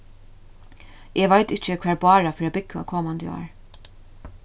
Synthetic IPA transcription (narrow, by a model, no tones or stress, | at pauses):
ʔɛːʋajt̪ɪht͡ʃəkʰʋæːɹbɑːɹafœːɾabɪkːa̰kʰoːmand̪jɑ̰ːɹ